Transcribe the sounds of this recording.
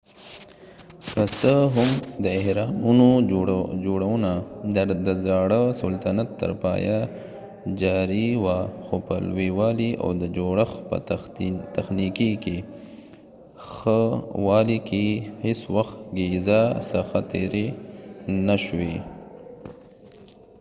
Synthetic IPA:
past̪əɦʊmd̪əehɾɑnuno | d͡ʒoɽawunad̪ad̪əzɑɽəsʊlt̪anat̪ːə̰ɾpɑ̰ja | d͡ʒɑɾiwaxopəlwiwɑlia̰wd̪əd͡ʒoɽəxpə̰t̪axnikike | xəwɑlikeheswaxt̪ɡezasəxat̪eɾe | naʃwe

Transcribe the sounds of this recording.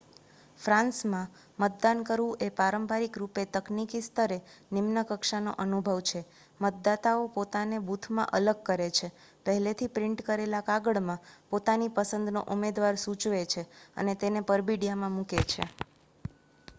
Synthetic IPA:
fɾãnsmã | mət̪̚d̪ankəɾʋũʔepaɾəmbaɾikɾupet̪əknikist̪ʰəɾenimnəkəkʃano̰ʔənubʱəʋt͡ʃʰe | mət̪̚d̪at̪aopot̪anebut̪ʰmã̰ʔələɡ̚kəɾet͡ʃʰepəɦɛlet̪ʰipɾɪɳʈkəɾelakaɡəɭmãpot̪anipəsə̃nd̪no̰ʔumed̪ʋaɾsut͡ʃʋet͡ʃʰeə̰net̪enepəɾbiɽjamãmũket͡ʃʰḛ

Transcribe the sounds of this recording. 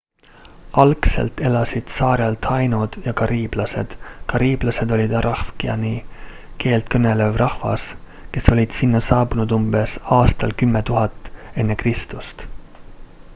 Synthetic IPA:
ɑlkse̞̰lt̪e̞lɑsid̪̥sɑːɾjɑlt̪ʰɑjnud̪̥jɑkɑɾiːb̥lɑse̞̰d̪̥kɑɾiːb̥lɑse̞d̪o̞lʲid̪ɑɾʔɑhfkiɑ̰ni | ke̞ːlt̪̚kɤne̞le̞vrʔɑhvɑ̰s | ke̞so̞lʲid̪̥sinːɑsɑːbunud̪umb̥e̞sɑːst̪ɑlkymːe̞t̪uɦɑt̪ːˑe̞nːe̞krist̪ust̪

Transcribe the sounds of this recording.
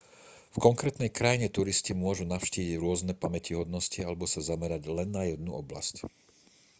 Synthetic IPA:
fkɔŋkɾɛːt̪nɛjkɾajiɲɛt̪uɾiscimʊɔʒunaʊʃciːʋiiɟɾʊɔznɛpamɛciɦɔd̪nɔscialɛbɔsazamɛɾaɟlɛnːajɛd̪nuɔbla̰sc

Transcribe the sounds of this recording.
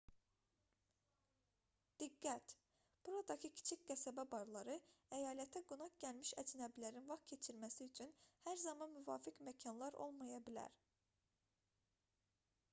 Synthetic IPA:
d̪̥iɡːæt̪ | b̥uɾɑd̪ɑcʰicʰi̥t͡ʃʰicʲɡ̥æsæbæbɑɾlˠɑɾɯæjɑːlæt̪ʰæɡunɑkɟælmiʃæd͡ʒnæblæɾinvɑχtcʰe̞t͡ʃʰiɾmæsiyt͡ʃʰynhæɾzɑmɑnmyvɑːfikmæcʰɑnlˠɑɾo̞̰lˠmɑjɑbilæ̰ɾ

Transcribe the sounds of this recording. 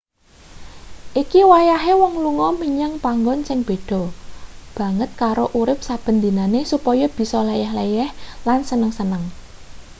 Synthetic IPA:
ʔikiwajaɦewɔŋluŋɔmiɲaŋpaŋɡɔnsɪŋb̥e̤ɖ̪̥ɔ̤b̥ä̤ŋət̪̚kaɾoʔuɾɪp̚sab̥ə̤nd̪inanesupɔjɔb̥i̤sɔlejɛhlejɛhlansənəŋsənəŋ

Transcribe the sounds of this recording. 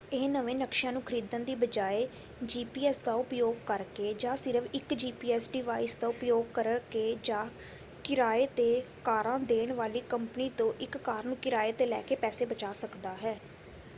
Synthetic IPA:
ɪːnəʋẽːnəkʃãːnũːkʰəɾiːd̪ənd̪iːbəd͡ʒaːeː | d͡ʒiːpiːɛːsd̪aːʊpjoːɡ̚kəɾkeːd͡ʒãːsɪɾəfʰɪkd͡ʒiːpiːɛːsɖɪʋaːisd̪aːʊpjoːɡ̚kəɾkeːd͡ʒãː | kɪɾaːeːt̪eːkaːɾãːd̪eːɳʋaːliːkəmpəniːt̪õːʔɪkːaːɾnũːkɪɾaːeːt̪eːlɛːkeːpɛːseːbət͡ʃaːsəkd̪aːɦɛː

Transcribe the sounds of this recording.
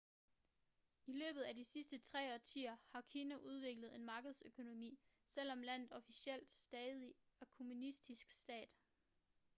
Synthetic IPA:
ilø̰ːb̥ð̞̩ˠæd̥isisd̥ət͡sʰʁɛ̰ːɒt͡sʰḭːɐhɑ̈kʰiːnæʔuð̞ˠʋe̝ɡ̥ləð̞̩ˠe̝nmɑ̈ːɡ̥əð̞̩ˠsøkʰo̝no̝mḭːsel̰ɒ̽mlæn̰ð̩ˠɒ̽fisiel̰d̥sd̥ɛːðˠi | ɒkʰo̝munisd̥isɡ̥sd̥ɛ̰ːd̥

